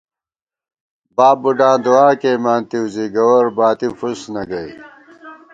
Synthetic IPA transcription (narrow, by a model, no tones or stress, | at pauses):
baːbuɖãːd̪uwaːkeːmaːnt̪iziɡɐwɐɾbaːt̪ifusnɐɡɐi